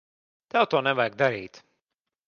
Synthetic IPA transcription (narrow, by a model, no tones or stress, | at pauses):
t̪ɛwt̪oːnɛvajɡ̚d̪aɾiːt̪